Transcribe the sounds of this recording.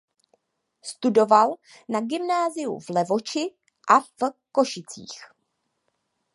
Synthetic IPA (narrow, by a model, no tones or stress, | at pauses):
st̪udo̞val | naɡɪmnaːzɪjṵvlɛvo̞t͡ʃɪ | ʔafko̞ʃɪt͡sḭːx